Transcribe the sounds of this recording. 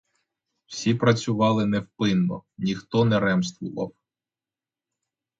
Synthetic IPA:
w̥sʲipɾɐt͡sʲʊʋɑlˠɪnɛwpɪnːɔ̰nʲixt̪ɔnɛɾɛmst̪ʋʊʋɐ̰w

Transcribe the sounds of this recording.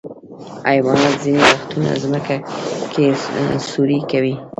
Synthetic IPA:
ajwɑnat̪zinewaxt̪una̰zməkakʰesuɾikawi

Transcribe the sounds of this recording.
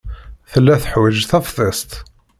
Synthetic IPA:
θəlːæθəħwəʒθæfθˤəst̪

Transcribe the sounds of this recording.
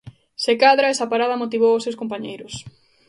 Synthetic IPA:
sekaðɾaɛsapaɾaðɐmot̪iβ̞owʊsewskomp̬aɲejɾʊs

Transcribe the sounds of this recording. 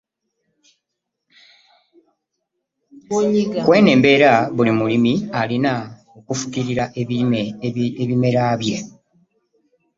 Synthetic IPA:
kwe̞ːne̞ːmbe̞ɾaβulimulimialina | okufu̥kiɾiɾaʔe | eβime̞ɾaːβje̞

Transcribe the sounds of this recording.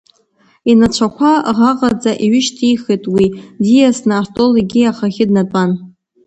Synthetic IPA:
inat͡ʃʷʰakʷʰaʁaqʼad͡zʼaʔiɥɪʃtʰijχetʼwidijasnɨartʼoliɡʲiaχaχʲɪdnatʷʼan

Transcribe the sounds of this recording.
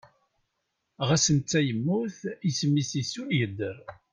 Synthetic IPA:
ʁæsənt̪t͡sːæjəmːuθismːisisujəd̪ːəɾ

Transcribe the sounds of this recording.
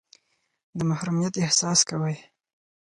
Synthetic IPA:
d̪əmahɾumijat̪ɪhsɑskawəj

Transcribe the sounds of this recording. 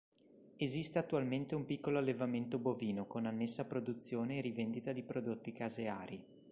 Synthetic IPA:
ezist̪eat̪ːualment̪eumpikːoloalːevament̪oboviːnokonanːesːapɾod̪ut̪sːjoːneːrivend̪it̪ad̪ipɾod̪ot̪ːikazea̰ːɾi

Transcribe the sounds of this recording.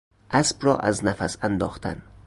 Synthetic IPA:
ʔæsbrɒ̰ːʔæ̰znæfæsænd̪ɒːxt̪ʰæ̰n

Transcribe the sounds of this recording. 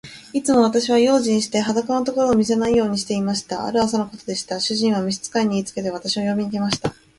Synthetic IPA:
it͡sɨmo̞βat̪aɕiβ̞ajo̞ːʑĩɰ̃ɕi̥t̪e̞ɦad̪akanot̪o̞ko̞ɾo̞ːmʲis̬enaijo̞ːɲ̟iɕ̬i̥t̪e̞imaɕi̥t̪aa̰ɾɯ̟asanoko̞t̪o̞d̪e̞ɕi̥t̪aɕɨʑĩɰ̃β̞amʲiɕ̬i̥t͡sɨ̥kaiɲ̟iiːt͡sɨ̥ke̞t̪e̞β̞at̪aɕimo̞jo̞mʲiɲike̞maɕi̥t̪a

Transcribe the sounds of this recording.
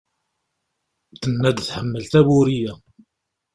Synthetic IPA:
θənːæd̪θħəmːəlt̪æwʊɾijæ

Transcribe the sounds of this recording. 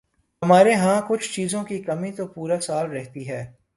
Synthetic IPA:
ɦɐmaːɾeɦãkʊt͡ʃʰt͡ʃiːzõkikɐmĩt̪opuːɾasaːlɾɛɦt̪iɦɛː

